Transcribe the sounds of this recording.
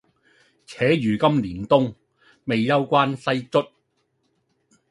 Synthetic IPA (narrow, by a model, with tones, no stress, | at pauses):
t͡sʰɛː˨˥jyː˨˩kɐ˥mliː˨˩nt̪ʊ˥ŋ | me˨jːɐ˥wkʷaː˥nsɐ˥jt͡sɵ˥t̚